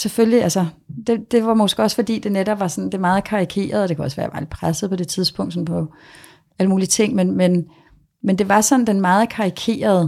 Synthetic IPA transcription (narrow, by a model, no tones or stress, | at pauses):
seføljiælsə | d̥e̝d̥e̝ʋɑ̈mɒ̽sɡ̥əɒ̽sfɒ̽d̥ḭːd̥e̝neɾɒb̥̚ʋɑ̈sɒ̽nd̥e̝mɑ̈ːð̞̩ˠkʰɑ̈ʁikʰe̝̰ːɐð̞̩ˠɒd̥e̝kʰæɒ̽sʋæːɐʋɑ̈ːli̥pʰʁasð̩ˠpʰɒ̽d̥e̝t͡sʰiðˠsb̥ɔ̽ŋ̰d̥sɒ̽mpʰɒ̽ | æləmuːlit͡sʰe̝ŋ̰menmen | mend̥e̝ʋɑ̈sɒ̽n̩d̥enmɑ̈ːð̞̩ˠkʰɑ̈ʁikʰe̝̰ːɐð̞ˠə